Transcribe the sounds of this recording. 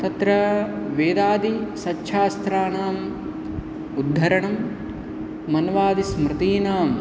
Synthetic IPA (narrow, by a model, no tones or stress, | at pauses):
t̪ɐt̪ɾɐʋeːd̪aːd̪isɐtːʃʰaːst̪ɾaːnaːm | ud̪ʱːɐɾɐɳɐmː | ɐnʋaːd̪ismɾɨt̪iːnaːm